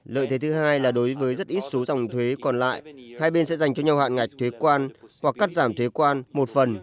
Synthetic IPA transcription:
lə̰ː˧˨jt̪ʰe˨˦t̪ɨ˨˦ɦaː˧jlaː˨˩ɗo˨˦jvəː˨˦jzə˦˥t̚ʔi˦˥t̚so˨˦zɔ˨˩wŋ͡mt̪ʰwe˨˦kɔ˨˩nla̰ː˧˨jhaː˧jɓe˧nsɛ̰˧˥za˨˩jŋ̟t͡ɕɔ˧ɲa˧wha̰ː˧˨nŋa˨˩jk̟̚t̪ʰwe˨˦kwaː˧nhwa˨˩kːaː˦˥t̚zaː˧˩mt̪ʰwe˨˦kwaː˧nmo˨˩t̚fə˨˩n

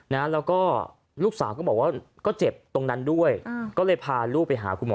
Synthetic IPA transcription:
na˦˥lɛː˦˥wkɔː˥˩ | luː˥˩k̚saː˩˦wkɔː˥˩bɔː˨˩k̚waː˥˩kɔː˥˩t͡ɕe˨˩p̚t̪o˧ŋna˦˥ndu˥˩əjkɔː˥˩lɤː˥˩jpʰaː˧luː˥˩pa˧jɦa̰ː˩˦kʰu˧nmɔ̰ː˨˦

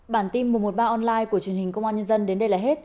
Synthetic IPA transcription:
ɓaː˧˩nt̪i˧mːɨ˨˩əmo˨˩t̚ɓaː˧ʔɔ˧nlaː˧jku˧˩ə˩t͡ɕi˨˩ənhï˨˩ŋ̟kə˧wŋ͡mʔaː˧nɲə˧nzə˧nɗe˨˦nɗə˧jlaː˨˩ɦe˦˥t̚

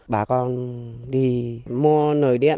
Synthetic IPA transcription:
ɓaː˧˩kɔ˧nɗi˧mu˧ənəː˨˩jɗɛ̰˧˥ə˨

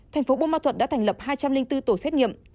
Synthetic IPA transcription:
t̪ʰɛ˨˩ŋ̟fo˨˦ɓu˧maː˧t̪ʰwə˨˩t̚ɗ̰aː˧˥t̪ʰɛ˧˩ŋ̟lə˨˩p̚haː˧jt͡ɕa˧mlï˧ŋt̪ɨ˧t̪o˧˩sɛ˦˥t̚ŋi˧˨əm

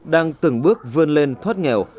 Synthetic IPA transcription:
ɗaː˧ŋt̪ɨ˨˧˩ŋɓɨ˦˥ək̚vɨ˧ənle˧nt̪ʰwaː˦˥t̚ŋɛ̰˨˧˩w

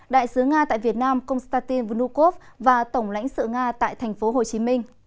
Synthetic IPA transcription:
ɗa̰ː˧˨jsɨ˨˦ŋaː˧t̪a̰ː˧˨jvi˨˩ət̚naː˧mkə˧wŋ͡mst̪aː˧t̪i˧nvnu˧ko˦˥f̚vaː˨˩t̪ə˧˩wŋ͡mla̰˧˥jŋ̟sɨ̰˧˨ŋaː˧t̪a̰ː˧˨jt̪ʰɛ˨˩jŋ̟fo˨˦ɦo˨˩t͡ɕi˨˦mï˧ŋ̟

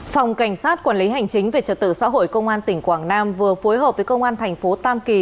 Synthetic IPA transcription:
fa˨˩wŋ͡mka˧˩jŋ̟saː˦˥t̚kwaː˧˩nli˨˦ɦa˨˩jŋ̟t͡ɕï˨˦ŋ̟ve˨˩t͡ɕə̰ː˧˩t̪ɨ̰˧˨sa̰ː˧˥ɦo̰˧˨jkə˧wŋ͡mʔaː˧nt̪ï˨˩ŋ̟kwaː˧˩ŋnaː˧mvɨ˨˩əfo˨˦jɦəː˨˩p̚və˨˦jkə˧wŋ͡mʔaː˧nt̪ʰɛ˨˩jŋ̟fo˨˦t̪aː˧mki˨˩

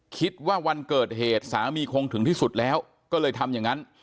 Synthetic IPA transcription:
kʰi˦˥t̪̚waː˥˩wa˧nkɤː˨˩t̪̚heː˨˩t̪̚saː˩˦miː˧kʰoː˧ŋt̪ʰɯ˩˦ŋt̪iː˥˩su˨˩t̪̚lɛː˦˥w | kɔː˥˩lɤː˧jt̪ʰa˧mja˨˩ŋːa˦˥n

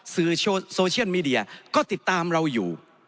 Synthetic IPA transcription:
sɯː˨˩o˧soː˧t͡ɕʰi˥˩ə˨˩nmiː˧di˧ɐ˧kɔː˥˩t̪i˨˩t̪ːaː˧mɾa˧wjuː˨˩

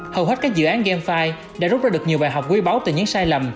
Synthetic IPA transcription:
həː˨˩wɦwt̚kːa˦˥k̚zɨ̰˧˨ʔaː˨˦nɣɛ˧mfaː˧j | ɗa̰ː˧˥zu˦˥zːɗək̚ɲi˨˩əwɓaː˨˩jɦa˨˩wk͡p̚kwi˧ɓa˨˦wt̪ɨ˨˩ɲɨ̰˧˥ŋsaː˧jlə˨˩m

